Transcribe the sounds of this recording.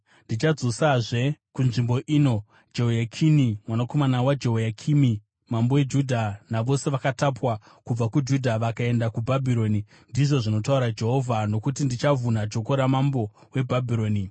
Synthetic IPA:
ndit͡ʃad͡zosaʐe̞kunʐimbo̞ʔiːno̞ | d͡ʒe̞ɦojakʰinimwanako̞manawad͡ʒe̞ɦojakʰimi | mambo̞we̞d͡ʒudʱanaʋo̞se̞ʋakatapwa | kub͡vakud͡ʒudʱaʋakae̞ndakubʱabʱiɾo̞ni | ndiʐo̞ʐino̞t̬auɾad͡ʒe̞ɦo̞vʱano̞kut̬indit͡ʃavunad͡ʒo̞ko̞ɾamambo̞ | we̞bʱabʱiɾo̞ːni

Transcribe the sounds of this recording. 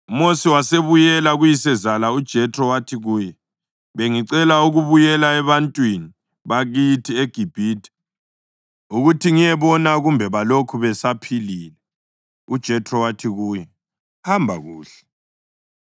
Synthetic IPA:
umosiwaseβujɛlaɣujisɛzalaud̥ʒ̥ʱɛtʰʼrɔwatʰiɣuːjɛ | βeŋiǀɛlauɣuβujɛlaɛβantʼwini | βaɣitʰieɡ̥ʱib̥ʱiːtʰʼi̥ | uɣutʰiŋijɛβɔnaɣumbʱɛβalokʰuβɛsapʰiliːlɛ | ud̥ʒ̥ʱɛtʰʼrɔwatʰiɣuːjɛ | hambʱa̰ɣuːɬɛ̥

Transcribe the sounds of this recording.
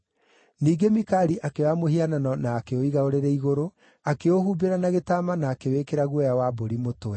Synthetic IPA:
niːɡemikaɾiʔakewamohiananɔnaːkeoiɣaoɾeɾɛiɣoɾo | akeohuːbeɾanaɣetaːmanaːkewekeɾaɣwɛjawaboɾimotowɛ

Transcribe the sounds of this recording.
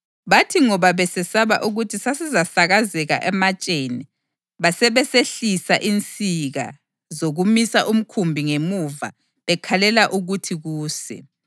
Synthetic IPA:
βatʰiŋɔβaβɛsɛsaβa̰ʔuɣutʰisasizasaɣazɛɣa̰ʔɛmat͡ʃʼeni | βasɛβɛseɬisaʔint͡sʼiɣa̰ | zoɣumisaʔum̩kʰumbʱiŋemuva̰ | βɛkʰalɛlaʔuɣutʰiɣuːsɛ̰

